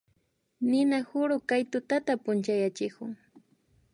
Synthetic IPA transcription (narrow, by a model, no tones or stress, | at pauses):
nɪnahʊɾʊkajt̪ʊt̪at̪apʊnt͡ʃajat͡ʃɪkʊŋ